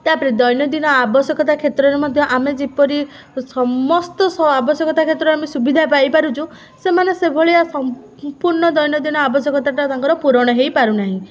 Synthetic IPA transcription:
t̪apɾid̪ɔjnjɔd̪inɔabɔsjɔkɔt̪akʰet̪ɾɔɾemɔd̪ʱjɔʔamed͡ʒipɔɾi | sɔmɔst̪ɔsɔabɔsjɔkɔt̪akʰet̪ɾɔamesubid̪ʱapajpaɾut͡ʃʰũ | semanesebʱɔɭiasɔm | puɾɳɔd̪ɔjnɔd̪inɔabɔsjɔkɔt̪aʈɔt̪aŋkɔɾɔpuɾɔɽ̃ɔɦejpaɾunaɦĩ

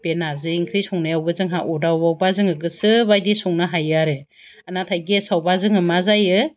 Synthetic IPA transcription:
benazɯiŋkʰɾijsɔŋnajawbɯzɯŋɦaʔɔdawbawbazɯŋɯɡɯsɯbajdisɔŋnaɦajaɾe | anatʰajɡesawbazɯŋɯmazajɯ

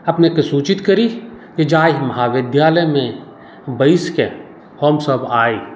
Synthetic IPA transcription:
ɐpnekesuːt͡ʃɪt̪kɐɾi | ked͡ʒaːiɦmɐɦaːʋɪd̪jaːləjmẽ | bɐiske | hɔːmsəbaːi

